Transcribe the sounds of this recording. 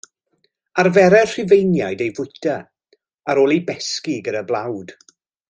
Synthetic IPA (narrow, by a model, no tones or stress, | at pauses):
arvɛɾɛr̥ɪvejnjajdejvʊjtʰa | aɾoːlˠejbɛskiɡədablˠawd̥